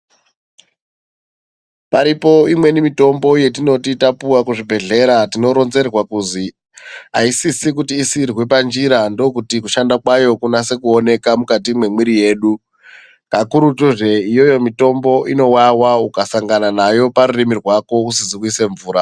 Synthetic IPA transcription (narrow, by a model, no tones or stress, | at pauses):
paɾipo̞imwe̞nimito̞mbo̞je̞tino̞titapuwakuʐibʱe̞ɮe̞ɾatino̞ɾo̞nze̞rwakuzi | a̰isisikutiːsirwepand͡ʒiɾando̞kutikuʃandakwajo̞kunase̞kuo̞ne̞kamukatimwe̞mwiɾije̞ːɗu | kakuɾutuʐe̞ijo̞jo̞mito̞mbo̞ʔino̞wawaukasaŋɡananajo̞paɾurimirwako̞usiziwise̞ɱvuːɾa